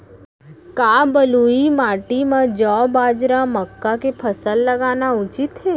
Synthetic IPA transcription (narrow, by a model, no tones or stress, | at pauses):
kabəluimaʈimãd͡ʒɔbad͡ʒɾaməkːakepʰəsəlːəɡanaʊt͡ʃit̪ɦɛ